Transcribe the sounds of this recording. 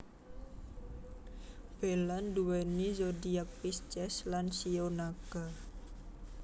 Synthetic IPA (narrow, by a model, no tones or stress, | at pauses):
b̥elanduɛnizodiak̚pist͡ʃɛslansionaɡ̥a